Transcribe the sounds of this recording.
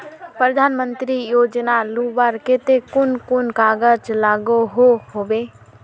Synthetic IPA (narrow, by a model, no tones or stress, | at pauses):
pɾəd̪ʱaːnmə̃nt̪ɾijoːd͡ʒnaluːbaɾkɪt̪ekʊnkʊnkaːɡəd͡ʒlaːɡoɦohoːbeː